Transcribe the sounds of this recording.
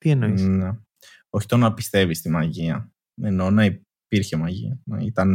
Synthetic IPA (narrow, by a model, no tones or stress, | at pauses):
t̪ienoine | o̞çi̥t̪onɐpist̪e̞vist̪imɐʝiɐ | eno̞nɐi | piɾçe̞mɐʝḭɐnɐit̪ɐn